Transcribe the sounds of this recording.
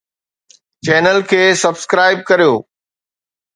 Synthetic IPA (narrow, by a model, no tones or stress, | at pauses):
t͡ɕɛːnəlkʰeːsɐbskɾaːɪb̚kɐɾijoː